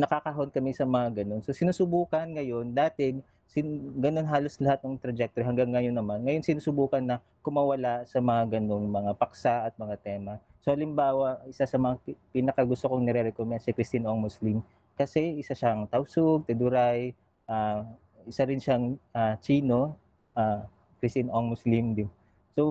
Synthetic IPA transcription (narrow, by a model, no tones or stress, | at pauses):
nɐkakɐɦo̞nkɐmɛsɐmɐŋaɡɐno̞nso̞sɪnusʊbuːkɐnŋɐjo̞nd̪aːt̪ɛɡ | sɪɡɐno̞nɦaːlo̞slɐhat̪̚nɐŋt̪ɾɐd͡ʒɛk̚t̪oɾihɐŋɡaŋːɐjonːɐmanŋɐjo̞nsɪnuːsʊbuːkɐnːɐ | kʊmawɐlasɐmɐŋaɡɐno̞ŋmɐŋapɐk̚saʔɐt̪̚mɐŋat̪ɛːmɐ | soʔɐlɪmbaːwɐʔɪsasɐmɐŋapinɐkɐɡʊst̪okoŋnɛɾɛɾɛkomɛnsɪkɾɪst̪inoŋmʊslim | kɐsɛɪsaʃaɐŋt̪ɐwsʊɡ̚t̪ɛd̪ʊɾaj | ʔaː | ʔɪsaɾɪnʃaŋʔat͡ʃiːno̞ | ʔaː | kɾɪst̪ɪnʔoŋmʊslimd̪ɪ | so